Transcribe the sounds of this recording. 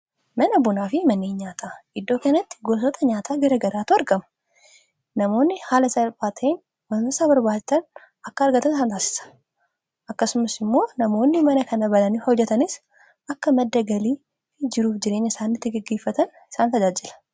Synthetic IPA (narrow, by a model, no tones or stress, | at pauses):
nɐnɐbʊnaːfɪmɐnːeːɲɲaːt̪ʰaːɪd̪ːo̞ːkɐnɐt̪ːɪ̥ɡoːsɔt̪ʰʼɐɲaːt̪ʰaːɡɐɾɐɡɐɾaːt̪uɐɾɡɐmɐ̥ | nɐmo̞ːnːɪhaːlɐsɐlbaːt̪ʰɐen | wɐsaːbɐɾbaːd͡ʒt̪ɐn | ɐkːɐɐɾɡɐt̪ɐnɪs̬aːnt̪aːsɪ̥sɐ̥ | ʔɐkːɐsʊmɐsɪmːo̞ːnɐmo̞ːnːɪmɐnɐkɐnɐbɐlɐnɪfhɔd͡ʒːɛt̪ɐnɪs | ɐkːɐmɐd̪ːɐɡɐliː | d͡ʒɪɾuːfd͡ʒɪɾe̞ːɲːɐɪsaːnːɪt̪ːɪɡɐɡːeːfːɐt̪ɐn | ɪ̥saːnt̪ɐd͡ʒaːd͡ʒɪlɐ̥